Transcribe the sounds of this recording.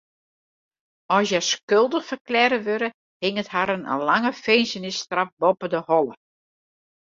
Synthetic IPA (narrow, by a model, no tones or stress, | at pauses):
ɔsjɛskølˠdəxfərklɛɾəʋøɾə | hɪŋəthaɾənə̰laŋəfeːnsənɪstrafbɔpədəhɔlə